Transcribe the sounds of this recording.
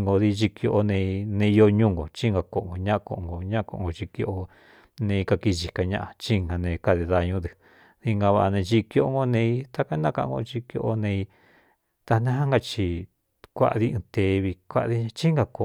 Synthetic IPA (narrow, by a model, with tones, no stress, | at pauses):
ŋɡo˧ði˧t͡ʃi˧ko˧ʔo˧nẽ˧nẽ˧o˧ɲũ˦ŋɡo˨t͡ʃi˦ŋɡa˧ko˧ʔo˨ŋɡo˨ɲã˦ʔa˧ko˧ʔõ˧ŋɡo˨ɲã˦ʔko˧ʔõ̰˧ɡo˧t͡ʃi˧ko˧ʔo˧ | nẽ˧i˧ka˧ki˧ʒi˧ka˧ɲã˦˧ʔa˧t͡ʃi˦˧ŋɡa˨nẽ˧ka˧ði˧ða˧ɲũ˧˦ðɨ˧ | ði˧ŋɡa˧βa˧ʔa˧nẽ˧t͡ʃi˧kjo˧ʔo˧ŋɡo˧nẽ˧i˧t̪a˦ka˦nã˦˧kã˧ɡo̰˧t͡ʃi˧kjo̰˧ʔo˧nẽ˧i˧ | t̪a˧nã˦ɦã˦ŋɡa˧t͡ʃi˧ | kʷa̰˧ʔði˦ɨ̃˧t̪e˨˦˧βi˧kʷa̰˦ʔði˧ɲã˧t͡ʃi˦ŋɡa˧ko˧